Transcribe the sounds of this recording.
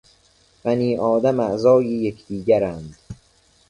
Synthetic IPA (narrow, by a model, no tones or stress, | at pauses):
bæniːʔɒːd̪æmæʔzɒːjijekʰd̪̥iːɟæɾænd̪̥